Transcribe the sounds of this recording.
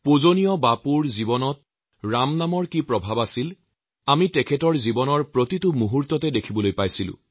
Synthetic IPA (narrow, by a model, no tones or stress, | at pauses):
pozonijɔbapuɹzibɔnɔt̚ | ɹamnamɔɹkipɹɔbʱabasil | amitɛkʰɛtɔɹzibɔnɔɹpɹotitʊmuɦuɹtɔtɛdekʰibɔlojpajsilʊ̰̃